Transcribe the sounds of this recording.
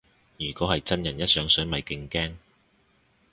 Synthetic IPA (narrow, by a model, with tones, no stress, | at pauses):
jyː˨˩kɔː˨˥hɐ˨jt͡sɐ˥njɐ˨˩njɐ˥t̚sœː˨˥ŋsɵ˨˥nmɐ˨jkɪ˧ŋkɛː˥ŋ